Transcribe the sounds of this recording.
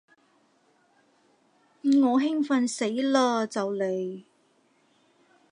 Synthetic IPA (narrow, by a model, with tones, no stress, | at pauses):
m̩˨ŋɔː˨˧ɦɪ˥ŋfɐ˨˧nse˨˥jlaː˧t͡sɐ˨wle˨˧j